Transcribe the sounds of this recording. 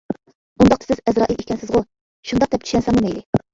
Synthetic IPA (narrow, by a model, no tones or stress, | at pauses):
und̪ɑq̚t̪ɑ̥sɪzɛzɾɑːʔilekʲɛnsɪzʁʊ | ʃund̪ɑq̚d̪ɛp̚t͡ʃʰy̥ʃʲɛnsɑŋnɨmɛjlɪ